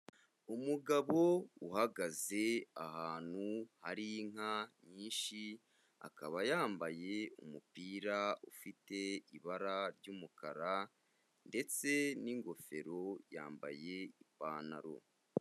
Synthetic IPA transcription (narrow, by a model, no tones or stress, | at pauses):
umuɡaβo̞uhaɡaze̞aɦaːn̥huhaɾiŋ̥aɲiːnʃi | a̰kaβajaːmbaje̞umupiːɾaufite̞iβaɾaɾɟuːmukaɾa | nde̞t͡se̞niŋɡo̞fe̞ɾo̞ja̰ːmba̰je̞ipaːna̰ɾo̰